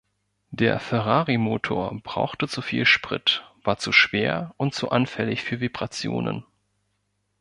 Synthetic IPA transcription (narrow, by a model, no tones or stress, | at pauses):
d̥eːɐfɛʁaːʁimoːtʰoːɐb̥ʁa̰ʊxtət͡sufiːlʃpʁ̥ɪ̰tv̥aːɐt͡suʃv̥eːɐʔʊntt͡suʔanfɛlɪçfyːɐvibʁat͡sjo̰ːnə̰n